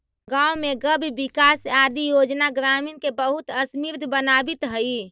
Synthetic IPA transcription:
ɡaumeɡəbʱbikasad̪ijod͡ʒnaɡɾaminkebəɦut̪əsmiɾd̪ʱbənabit̪ɦəi

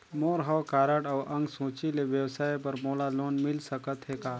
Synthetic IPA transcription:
moːɾɦəwkaːɾəʈɔːʔɐ̃ŋɡsũːt͡ʃileʋjəwsaːjpɐɾmoːlaloːnmɪlsəkət̪ɦekaː

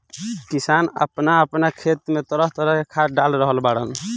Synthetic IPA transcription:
kisanə̰pnaəpnakʰet̪met̪əɾəɦt̪əɾəɦkekʰaɖalɾəɦəlbaɽəl

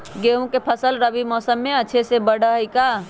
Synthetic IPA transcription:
ɡeɦũkepʰəsəlɾəbimɔːsəmːeəːt͡ʃʰesebəɽʱəɦjka

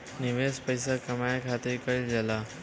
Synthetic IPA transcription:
nɪʋeːspəjsakɐmajkʰaːt̪ɪɾkəld͡ʒɐla

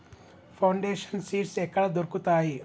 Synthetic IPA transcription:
pʰɐwɳɖeːʃɐnsiːʈsɛkːɐɽɐd̪oɾkut̪aːji

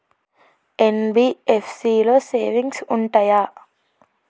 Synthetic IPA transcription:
enbiːefʰsiːloːseːʋiŋɡsuɳʈɐjaː

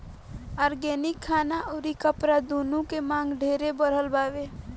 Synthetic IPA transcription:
aːɾɡeːnɪkʰːaːnaʔoːɾikəpɾad̪oːnũkemãːŋɡɖʱeːɾebəɾ̤əlbaːʋe

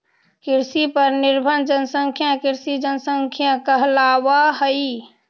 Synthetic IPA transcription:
kiɾsipəɾniɾbʱənd͡ʒənsəŋkʰjãkiɾsid͡ʒənsəŋkʰjãkəɦlawaɦəi

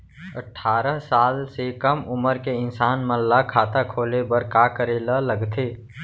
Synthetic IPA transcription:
əʈʰːaːɾəɦsaːlsekəmʊməɾkeɪnsaːnməlːakʰaːt̪akʰoːlebəɾkaːkəɾelələɡt̪ʰeː

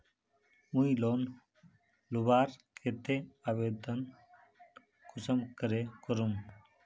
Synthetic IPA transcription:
muiloːn | lubaːɾkʰet̪eaːʋeːd̪ən | kʰʊsəmkəɾekəɾum

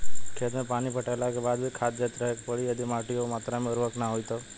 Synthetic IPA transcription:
kʰeːt̪mẽpaːnipəʈalakebaːd̪bʱikʰaːt̪d͡ʒet̪ɾəɦekpəɽijəd̪imaːʈiomaːt̪ɾamẽʊɾɦəknaɦoit̪o

